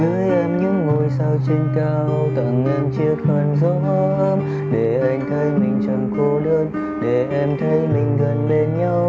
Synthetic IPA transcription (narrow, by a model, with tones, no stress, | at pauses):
zɨː˧əjʔɛ˧mɲɨ̰˧˥ŋːo˧˩jsaː˧wt͡ɕi˧ŋ̟kaː˧wt̪ə̰˧˨ŋŋɛ˧nt͡ɕi˧ək̚hə˨˧˩nzɔ˧˦hɔ˧˦ʔəː˧m | ɗe˧˩ʔa˧jŋ̟t̪ʰə˨˦jmï˨˩ŋ̟t͡ɕɔ˧wŋ͡mko˧ɗəː˧n | ɗe˧˩ʔɛ˧mt̪ʰə˨˦jmï˨˩ŋ̟ɣə˨˩nɓe˧nɲa˧w